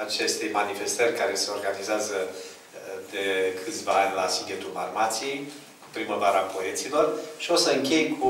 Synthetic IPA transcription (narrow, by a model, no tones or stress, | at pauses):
at͡ʃe̞st̪ejmanife̞st̪ərʲkaɾe̞se̞o̞rɡanizeazə | d̪e̞kʰɨt̪sʲvaanʲlasiɡ̪ʲet̪ulma̰rmat̪sijej | ku̥pɾiməvaɾəapo̞e̞t̪silo̞rʃio̞səɨŋkʲe̞jkʰu